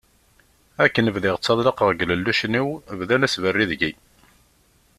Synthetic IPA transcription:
ækːənəvðɪʁət͡sːɑðˤləqəʁɡləlːuʃniwəvðænæsvərːiðʝi

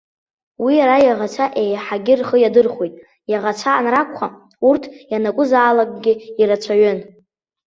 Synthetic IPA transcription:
wijaɾajaʁat͡sʷʰaʔejħaɡʲɪrχəjadɨrχwejtʼ | jaʁat͡sʷʰaːnrakʷʰχa | urtʰjanakʷʼʊzaːlakʼɡʲɪiɾat͡ʃʷʰaɥʏn

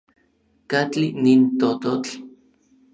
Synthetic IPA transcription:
kat͡ɬinint̪ot̪ot͡ɬ

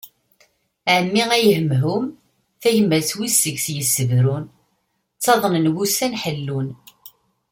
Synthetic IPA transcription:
ʕəmːiʁæjəɦəmɦum | θæʝəmːəɾswisːəʝsjəsːəvɾun | t͡sːɑðˤənənɡusænħəlːun

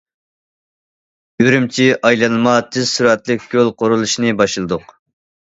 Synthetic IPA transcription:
jøɾymt͡ʃʰiʔɑjlˠɑnɨmɑt̪ʰɪz̥suɾɛt̪lˠɪkʲɡʲølˠqʰoɾulˠuʃinɨbɑʃlˠɨd̪ʊq

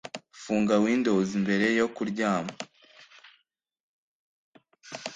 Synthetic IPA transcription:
fuːŋɡawiːndo̞zimbe̞ɾe̞jo̞kuɾɟaːmo

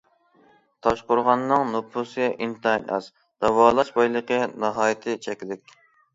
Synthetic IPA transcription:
t̪ʰɑʃqʊɾʁɑnːɨŋnopʰusʔint̪ʰɑjnʔɑ̰z | d̪̥ɑwɑːlˠɑʃbɑjlˠəqənɑɦɑːjɪt̪ʰɪt͡ʃʰɛkʲldɪkʲ

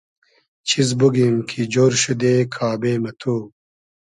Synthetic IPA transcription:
t͡ɕʰizbuɡimkʰid͡ʑoːɾɕud̪eːkʰaːbeːmɐt̪ʰuː

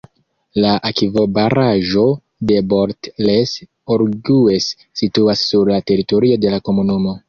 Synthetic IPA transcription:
laʔakivo̞baɾaʒo̞ | de̞bo̞ɾtles | oɾɡuesː | ituasːuɾlate̞ɾito̞ɾio̞de̞lako̞munumo̞

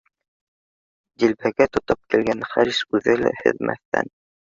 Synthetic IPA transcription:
d̪ilpæɡæt̪ŏt̪ɤp̚kilɡænχæɾiʃʉðɘlæ̰hɘ̰̆ðmʔæ̰θt̪æ̰n

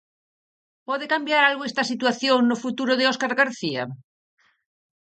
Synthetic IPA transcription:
pɔðekambjaɾalɣoest̪asit̪waθjoŋnofut̪uɾoðeoskaɾɣaɾθia̰

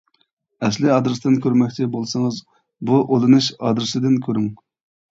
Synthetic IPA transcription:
ɛslɪɑd̪ɾɨsd̪ɨnkʲøɾmɛkʲt͡ʃʰɪbolˠsɨŋɨz | buʔolˠɨnuʃɑ̰d̪ɾɨsɨd̪ɪnkʲʰøɾyŋ

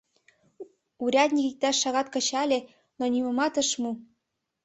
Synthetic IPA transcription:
uɾʲɑd̪ʲnʲikik̚t̪æʃːɑɣɑt̪kɤ̆t͡ɕɑlʲe | nonʲimɤ̆mɑt̪ɤ̆ʃmu

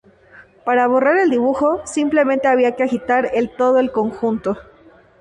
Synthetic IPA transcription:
paɾaβo̞reɾe̞ld̪iβ̞uxo̞simple̞mẽnt̪e̞aβiake̞axit̪aɾe̞lt̪o̞ð̞oe̞lko̞ŋxunt̪o̞

